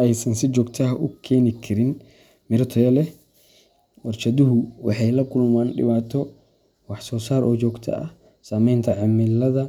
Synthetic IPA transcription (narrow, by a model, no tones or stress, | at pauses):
ɛjsɐnsɪt͡ʃɔːɡt̪ʰɐɦɐʔʊkʰɛːnɪkʰɐɾɪn | mɪɾɐt̪ʰɔjɐlɛ | wɐrt͡ʃɐðʊɦʊwɑħɑjlɐkʰʊlmaːnɖɪ̰βaːt̪ʰɔ | wɑħsɔːsaːɾʔɔːt͡ʃɔːɡt̪ʰɐ̰ɐ̰h | saːmɛjnt̪ʰɐʕɑmɪlɐðɐ